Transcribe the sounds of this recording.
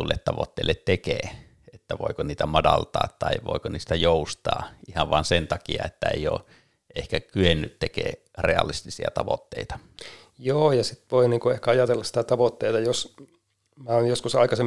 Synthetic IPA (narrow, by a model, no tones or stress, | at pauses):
ulːet̪t̪ɑʋo̰t̪ːḛilːet̪t̪ekeː | et̪ːæʋo̰ˑikoniːt̪æmɑdɑlt̪ɑ̰ːt̪t̪ɑiʋo̰ˑikoniːst̪æjoˑust̪ɑ̰ːʔihɑʋʋɑnsent̪ɑkiɑ̰et̪ːæḛijo̰ː | ʔehkækyenːyt̪t̪ekḛː | reɑlist̪isiɑ̰t̪ɑʋo̰t̪ːeˑit̪ɑ̥ | joːjɑsit̪ʋoiniːŋkuehkæɑjɑt̪elːɑssi̥t̪æt̪ɑʋot̪ːeit̪ɑjos | mæonjoskusɑikɑsem